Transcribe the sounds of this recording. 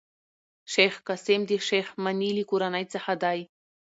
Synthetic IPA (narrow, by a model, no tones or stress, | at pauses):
ʃejχkasemd̪eʃeχmanʲilʲikuɾanajt͡saħad̪aj